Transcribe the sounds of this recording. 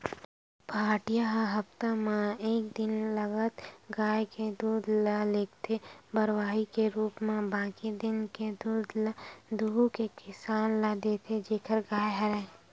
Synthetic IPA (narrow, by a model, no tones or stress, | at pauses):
bʱaːʈijaɦɦəpt̪amẽeːk̚d̪ɪnləɡət̪ɡaːjked̪uːd̪laleːkt̪ʰebəɾwaːɦikeɾuːpmẽbãːkid̪ɪnked̪uːd̪lad̪uukekɪsaːnlaːd̪et̪ʰed͡ʒeːkʰəɾɡaːjɦɐɾɛ̃